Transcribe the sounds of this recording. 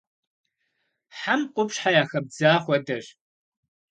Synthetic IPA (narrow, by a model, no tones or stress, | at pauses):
ħamqʷʼʊpʂħajaːxɐb̚d͡zaːχʷɔdɐɕ